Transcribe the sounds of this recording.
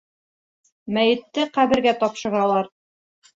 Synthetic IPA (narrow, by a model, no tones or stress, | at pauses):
mæjɘ̆t̪ːɘqæβɘ̆ɾɡæt̪ɒpʃɤ̆ɾɑlˠɑɾ